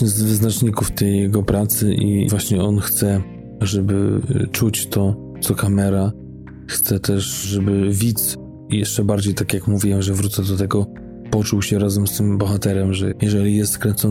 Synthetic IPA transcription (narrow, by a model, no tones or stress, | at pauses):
ɲɛzvɘznat͡ʂɲikuft̪ɛjːɛɡɔpɾat̪sɘʔḭvwaɕɲɛɔnxt̪sɛ | ʐɛbɘ̰t͡ʂut͡ɕt̪ɔ | t̪ɔkamɛɾa | xt̪sɛt̪ɛʂʐɛbɘvʲit̪s | jɛʂt͡ʂɛbaɾd͡ʑejt̪akʲjakmuvʲiwɛmʐɛvɾut̪sɛd̪ɔt̪ɛɡɔ | pɔt͡ʂuwɕɛɾazɛmst̪ɘmbɔxat̪ɛɾɛmʐɛjɛʐɛlʲijɛst̪kɾɛnt̪sɔ